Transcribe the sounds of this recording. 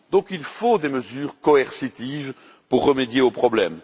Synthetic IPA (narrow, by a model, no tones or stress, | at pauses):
d̪ɔ̃kilfod̪eməzyːʁkɔɛʁsit̪iv | puʁːəmed̪jeopχɔblɛm